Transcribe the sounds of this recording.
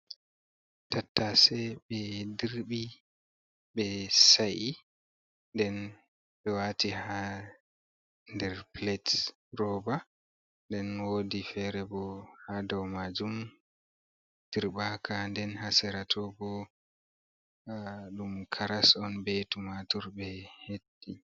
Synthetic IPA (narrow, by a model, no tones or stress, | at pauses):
tatːasɛɓɛdiɾɓi | ɓɛsaʔi | ndɛn | ɓɛwatiha | ndɛɾplɛt | rɔba | ndɛnwodifɛɾɛbɔhadɔwmad͡ʒum | d̥iɾbakʰandɛnhasɛɾatʰɔbɔ | ɗumkʰaɾasɔnbetumatɔɾɓɛhedːi